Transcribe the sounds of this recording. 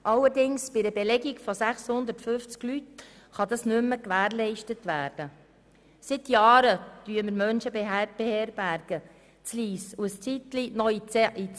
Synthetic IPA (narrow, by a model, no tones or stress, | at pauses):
ʔɑlːəɾdɪŋsb̥ɪdəbelɛɡiɡfosæχshʊnd̪əɾtfʏft͡sklyt | χɑd̪ɑsnʉmːəkʋæːɾlɛɪʃtətʋæːɾd̥ə | sɪt̪jɑːɾəd̪̥yːəməɾmœnʃəbeb̥ehɛɾbæɾɡ̥ə | t͡sliːsuəst͡sit̪linɔiit͡s